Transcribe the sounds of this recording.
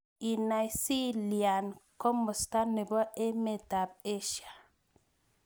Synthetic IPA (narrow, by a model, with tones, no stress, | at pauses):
i˨na˨jsi˦lja˨nkɔ˦mʊ˨st̪a˦nɪ˨bɔ˦e˦me˨d̪a˨b̚e˦ʃa˨